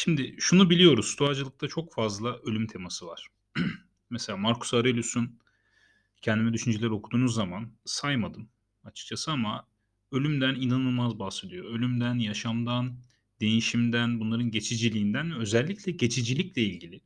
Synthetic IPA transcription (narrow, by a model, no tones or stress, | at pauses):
ʃimd̪ɪʃunubilʲijo̞ɾuzst̪ʰoad͡ʒɯlˠɯk̚t̪ʰat͡ʃʰo̞kfazlˠaʔølʲymt̪ʰe̞masɯvaɾ̥ | meselʲaːmaɾkʰu̥saɾelʲusun | cʰɛnd̪imɛd̪yʃynd͡ʒelʲeɾio̞kʰud̪uːnuzːamansajmad̪ɯm | at͡ʃʰɯ̥k̚t͡ʃʰasɯama | ø̞lʲymd̪æninanɯlˠmazbahse̞d̪ijo̞ø̞lʲymd̪ænjaʃamd̪an | d̪e̞jiʃimd̪ænbunlˠaɾɯnɟe̞t͡ʃʰid͡ʒilʲiːnd̪ænvɛø̞zɛlʲːiclʲɛɟe̞t͡ʃʰid͡ʒilʲiclʲɛilʲɟilʲɪ